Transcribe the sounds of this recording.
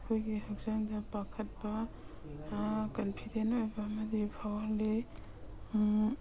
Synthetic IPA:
kʰojɡihɐk̚zaŋdɐpakʰɐt̚bɐ | kɐlpʰidenojbɐːmɐdipʰawɐɾle

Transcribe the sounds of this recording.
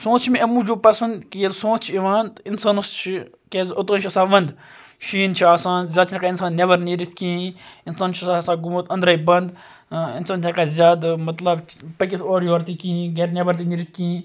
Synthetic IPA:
sõːt̪t͡ʃʰmeɐmũːd͡ʒoːpɐsɐnd̪kijet̪sõːt̪t͡ʃʰiiʋaːnt̪insaːnɐst͡ʃʰi | kʲezot̪ɐːnt͡ʃʰiɐsaːʋɐnd̪ | ʃiːnt͡ʃʰiaːsãːnzʲaːd̪̚t͡ʃʰnɐkaːinsaːnːebɐɾniɾit̪ʰkiːinsaːnt͡ʃʰiɐsasaːɡumut̪ɐ̃nd̪ɾɐibɐnd̪ | insaːnt͡ʃʰɐkaːzʲjaːd̪mɐt̪lɐbpɐk̬ʲisoːɾjoːɾt̪ikĩɡeʈnʲebɐɾt̪iniɾit̪̚ʰkĩ

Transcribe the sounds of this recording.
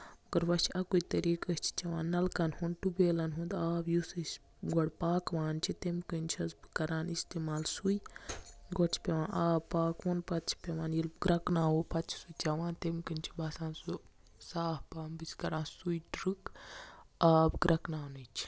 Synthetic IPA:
ɐɡɐɾʋɐʃɐkut̪ɐɾiːkɐsʲt͡ʃʰi̥t͡ʃɐʋaːnːɐlkɐnhunʈubeːlɐnɦũnd̪aːbjusɨsʲ | ɡɔɽpaːkʋaːnt͡ʃʰit̪emkɨnt͡ʃʰɐzbɨkɐɾaːnist̪emaːlsuj | ɡot͡ʃʰpʲeʋãːnʔaːbpaːkʋonpɐt̪t͡ʃʰpʲeʋaːnjilbɡɾɐknaːwopɐt̪t͡ʃʰsut͡ʃɐʋãːnt̪emkɨnt͡ʃʰi̥bɐsãːnsu | saːhpaːnbɨsʲkɐɾaːnsujɖɾɨk | aːbɡɾɐknaːnɨt͡ʃʰi̥

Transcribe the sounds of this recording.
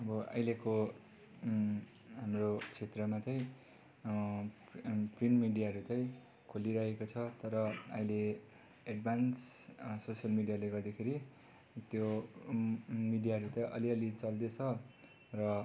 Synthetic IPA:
ʌbʌʌ̰jleko | ɦamrot͡sʰet̪rʌmat͡sʌj̃ | prinmiɖijaɦʌɾut͡sʌj̃ | kʰoliɾʌɦekot͡sʰʌt̪ʌɾʌʌjle | eɖ̚bʱanssosʌlmiɖijaleɡʌrd̪akʰeɾi | t̪jo | miɖijaɦʌɾut͡sʌjʔʌ̰liʌlit͡sʌld̪et͡sʰʌ | rʌ

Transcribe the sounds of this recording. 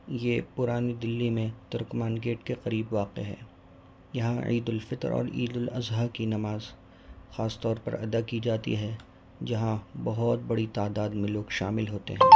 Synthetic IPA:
jeːpʊɾaːnid̪ɪlːimẽt̪ʊɾkmaːnɡeːʈkeqɐɾiːbʋaːqḛɦɛ̰ː | jɐɦãḭːd̪ʊlfɪt̪ɾɔ̰ːɾḭːd̪ʊlɐzɦakinɐmaːz | xaːst̪ɔːɾpɐ̰ɾɐ̰d̪akid͡ʒaːt̪ḭɦɛ | d͡ʒɐɦãbɐɦʊt̪̚bɐɽit̪aːd̪aːd̪mẽloːɡʃa̰ːmɪlɦoːt̪ḛɦɛ̃ː

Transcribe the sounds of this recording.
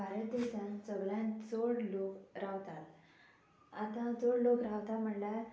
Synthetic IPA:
bʱaɾət̪d̪eɕãnsəɡɭjãnt͡soɽlokɾaʋt̪al | at̪ãt͡soɽlokɾaʋt̪alm̤əɳla

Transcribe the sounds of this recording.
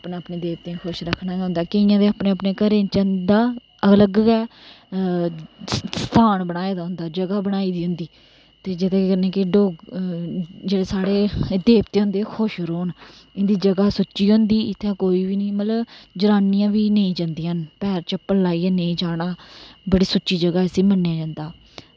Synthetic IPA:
pnaːəpneːd̪eːp̚t̪eːkʰʊʃɾəkʰːnaːd͡ʒɦʊ̃nd̪aːkɪɪjãːd̪eːapneːəpneːkəɾẽːt͡ʃə̃nd̪aː | ələɡɛː | sst̪ʰaːɳbəɽaːeːd̪aːɦʊnd̪aːd͡ʒəɡaːbəɽaːiːd̪iːɦʊ̃nd̪iː | t̪eːd͡ʒɪt̪ẽkːkəɾnẽːkɪɖoːɡ | d͡ʒeːɽeːsaːɽeːd̪eːpt̪eːɦʊ̃nd̪eːkʰʊʃɾoːnɪnd̪iːd͡ʒəɡaːsʊt͡ʃːiːɦʊ̃nd̪iːɪt̪ʰːẽːkoːiːʋiːnəːmət̪ləbd͡ʒəɾaːnijãːʋiːnəĩːd͡ʒãːnd̪iːənpɛːɾt͡ʃəpːəllaːiːɛːnəĩːd͡ʒaːɽaːbəɽiːsʊt͡ʃːiːd͡ʒəɡaːəsĩːmənːjãːd͡ʒãːnd̪aː

